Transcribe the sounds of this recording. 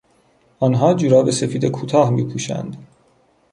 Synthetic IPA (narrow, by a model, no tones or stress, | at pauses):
ʔɒːnɦɒːd͡ʒuɾɒːbese̞fiːd̪ekʰuːt̪ʰɒːhmiːpʰuːʃæ̰nd̪